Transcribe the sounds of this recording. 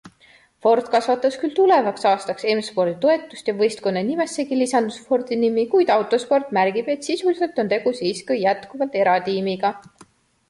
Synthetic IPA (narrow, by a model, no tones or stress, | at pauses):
fo̞rt̪ˑkɑsvɑt̪ːˑɑskylt̪ule̞vɑksɑːst̪ɑkse̞mspo̞rd̪̥it̪o̞e̞t̪ːˑust̪jɑvɤjst̪̚ko̞nːenime̞sːe̞ɡilisɑnd̪̥usfo̞rd̪̥inimikujd̪̥ɑwt̪ˑo̞spo̞rt̪ˑmæɾɡ̥ib̥e̞t̪sisulise̞lt̪o̞nt̪e̞ɡ̥usiːskɯjjæt̪kuvɑlt̪e̞ɾɑt̪iːmiɡ̥ɑ